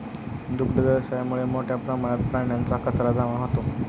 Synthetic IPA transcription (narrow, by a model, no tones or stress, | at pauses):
d̪ukɖəɡəɾɕajamuɭemoʈʰjapɾəmaɽ̃jat̪̚pɾaɳjant͡sakət͡sɾad͡zaʋaɦot̪o